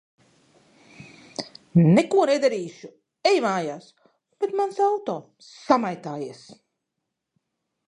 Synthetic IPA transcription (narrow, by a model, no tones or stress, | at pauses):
nekuɔned̪aɾiːʃu | ɛjmaːjaːs | b̥et̪mansawt̪ɔː | samajt̪aːjiɛs